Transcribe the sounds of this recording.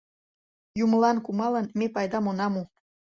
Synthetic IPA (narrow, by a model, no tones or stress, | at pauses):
juməlɑnkumɑlənmepɑjd̪ɑmonɑmu